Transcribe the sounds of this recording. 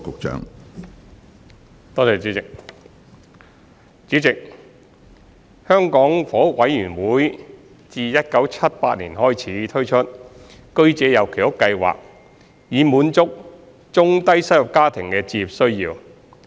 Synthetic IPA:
kʊ˨k̚t͡ʃœ̰ː˨˥ŋ | t̪ɔː˥t͡sɛː˨˧t͡syː˨˥t͡sɪ˨k̚ | t͡syː˨˥t͡sɪ˨k̚ | hœː˥ŋkɔː˨˥ŋfɔː˨˥ʊ˥k̚wɐ˨˥jːyː˨˩nwuː˨˥j | t͡siː˨˧jɐ˥t̚kɐ˨˥wt͡sʰɐ˥t̚pa̰ː˧t̚liː˨˩nhɔː˥jt͡sʰiː˨˥t̪ʰɵ˥ɥt͡ʃʰɵ˥t̚ | kɵ˥ɥt͡sɛː˨˧jɐ˨˩wkʰe˨˩jhʊ˥kːɐ˧jwa̰ː˨˩k̚ | jiː˨˧muː˨˥nt͡sʊ˥k̚ | t͡sʊ˥ŋt̪ɐ˥jsɐ˥jʊ˨˩p̚kaː˥t̪ʰɪ˨˩ŋkɛː˧t͡siː˧jiː˨p̚sɵ˥ɥjiː˧w

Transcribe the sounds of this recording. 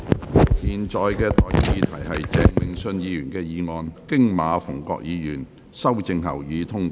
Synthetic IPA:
jiː˨˩nt͡ʃɔː˨jkɛː˧t̪ɔː˨˧ji˨˧iː˨˧t̪ʰɐ˨˩jɦɐ˨jt͡sɛː˨˧ŋmɪ˨˧ŋsɵ˧njiː˨˧jyː˨˩nkɛː˧jiː˨˧ŋɔː˧nkɪ˥ŋmaː˨˥fʊ˨˩ŋkɔ̰ː˧k̚jiː˨˧jyː˨˩n | sɐ˥wt͡sɪ˧ŋhɐ̰˨˩wjiː˨˧t̪ʰʊ˥ŋ˨˦

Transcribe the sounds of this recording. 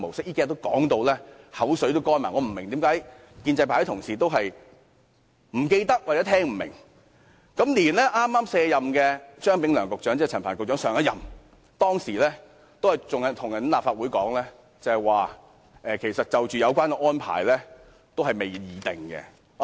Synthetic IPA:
mo˨wsɪ˥k̚jiː˥kaː˥˨˧t̪o˥wkɔː˨˥ŋt̪o˧wlɛː˥hɐ˨˥wsɵ˨˥t̪o˥wkɔː˥jma̰ː˨˩ŋɔ˨˧m̩˨˩mɪ˨˩ŋt̪i˨˥mkaː˨˥j | kiː˧nt͡sɐ˧jpʰa˨˩ɐ˥t̪ʰʊ˨˩ŋsiː˨t̪̬o˥wɦɐ˨j | m̩˨˩ke˧jt̪ɐ˥k̚waː˨˩t͡sɛ˨˥t̪ʰɛː˥ŋm̩˨˩mɪ̰˨˩ŋ | kɐ˨˥mliː˨˩nlɛː˥ʔaː˥mːaː˥msɛː˧jɐ˨mkɛː˧t͡ʃœː˥ŋpɪ˨˥ŋlœː˨˩ŋkʊ˨k̚t͡ʃœː˨˥ŋt͡sːt͡sʰɐ˨˩nfʰaː˨˩nkʊ˨t͡ʃœː˨˥ŋsœː˨ŋɐ˧˥jɐ˨m | t̪ɔː˥ŋsiː˨˩lɛː˥ | t̪o˥whɐ˨˩jt͡sʊ˨ŋɐ˨˩t̪ʰʊ˨ŋɐ˨˩n˥laː˨pfaː˧t̚wu˨˥jkɔː˨˥ŋlɛː˥ | t͡sɐ˨˧hɛ˨jwaː˨ | ʔɛː˨kʰe˨˩jsɐ˨t̚t͡sɐ˨wt͡ʃyː˨jɐ˨˧wkʷaː˥nkɛ˧ŋɔː˥npʰa̰ː˨˩jlɛː˥ | t̪o˥whɐ˨jme˨jjiː˨˧t̪ɪ˨ŋkɛ̰˧

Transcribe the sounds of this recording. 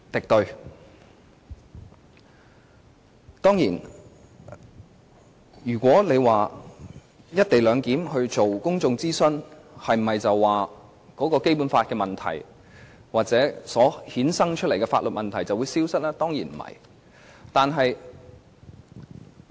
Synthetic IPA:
t̪ɪ˨k̚t̪ɵ˨˧ɥ | t̪ɔː˥ŋjiː˨˩n | jyː˨˩kʷɔː˨˥le˨˧jwaː˨ | jɐ˥t̚t̪e˨jlœː˨˧ŋkiː˨˥mhɵ˧ɥt͡so˨wkʊ˥ŋt͡sʊ˧ŋt͡siː˥sɵ˥n | hɐ˨jm̩˨˩mɐ˨jt͡sɐ˨wːaː˨˩ | kɔː˨˥kɔː˧ke˥jpuː˨˥nfaː˧t̚kɛː˧mɐ˨˩nt̪ʰɐ̰˨˩j | waː˨t̚t͡sɛː˨˥sɔː˨˥hiː˨˥nsɐ˥ŋt͡ʃʰt̚le˨˩jkɛː˧fa̰ː˧t̚lɵ˨t̚mɐ˨nt̪ʰɐ˨˩jt͡sɐ˨wːu˨˧siː˥wsɐ˥t̚lɛː˥t̪ɔː˥ŋjiː˨˩nm̩˨˩hɐ̰˨˩j | t̪aː˨nɦɐ˨j

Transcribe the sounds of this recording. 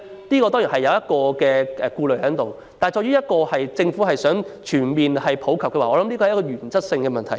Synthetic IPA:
niː˥kɔː˧t̪ɔ˥jiː˨˩nɦɐ˨jːɐ˨˧wjɐ˥t̚kɔː˧kɛː˧ʔːkuː˧lɵ˨ɥɦɐ˨˥nt̪o˨w | t̪aː˨jt͡sɔː˧jɥyː˥jɐ˥t̚kɔː˧hɐ˨jt͡sɪ˧ŋfu˨˥ɦɐ˨jsœː˨˥ŋt͡ʃʰyː˨˩nmiː˨nhɐ˨jpʰo˨˥wkʰɐ˨p̚kɛː˧waː˨ɔː˧lɐ˨˦mli˥kɔː˧˨jkɔː˧jyː˨˩nt͡sɐ˥t̚sɪ˧ŋkɛː˧mɐ˨nt̪ʰɐ˨˩j

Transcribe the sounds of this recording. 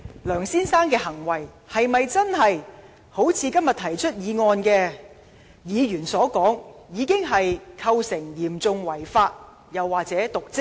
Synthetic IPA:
lœː˨˩ŋsiː˥nsaː˥nkɛː˧hɐ˨˩ŋwɐ˨˩j | hɐ˨jmɐ˨jt͡sɐ˥nɦɐ˨j | ho˨˥wt͡sʰiː˨˧kɐ˥mjɐ˨˩t̪ʰɐ˨˩jt͡ʃʰɵ˥t̚jiː˨˧ŋɔː˧nkɛː˧ | jiː˨˧ɥyː˨˩nsɔː˨˥kɔː˨˥ŋjiː˨˧kɪ˥ŋɦɐ˨jkʰɐ˧wsɪ˨˩ŋjiː˨˩mt͡sʊ˧ŋwɐ˨˩jfaː˧t̚ | jɐ˨˩wːaː˨k̚t͡sɛː˨˥t̪ʊ˨k̚t͡sɪ˥k̚

